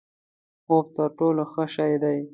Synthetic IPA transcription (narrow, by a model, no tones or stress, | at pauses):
xob̚t̪əɾʈoloxəʃɑjd̪aj